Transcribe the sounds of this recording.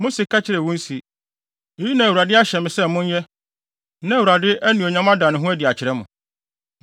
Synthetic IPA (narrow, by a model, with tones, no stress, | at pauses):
mʊ̃˦si˨kʰa˦t͡ɕʰɪ˦ɾɛ˨wũ˦n̩˦si˨ | e˨ji˦nã˨wu˨ɾa˨dɪ˦a˦ɕɛ˨mɪ̃˨sɛ˦˨˦mʊ̃˦ɲ˦jɛ˦ | nã˦˨u˨ɾa˨dɪ˦ʔæ˦nĩ˨o˨ɲã˦mã˦da˨nʊ̃˨ɦʊ̃˦æ˦dɪ˨a˨t͡ɕʰɪ˨ɾɛ˦mʊ̃˨